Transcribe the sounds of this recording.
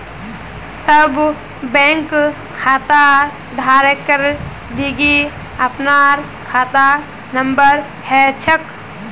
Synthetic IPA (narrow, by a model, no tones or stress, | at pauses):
səb | bɛ̃ŋk | kʰaːt̪a | d̪ʱaɾəkəɾ | d̪iɡi | əpnaɾ | kʰaːt̪a | nəmbəɾ | hɛt͡ʃʰək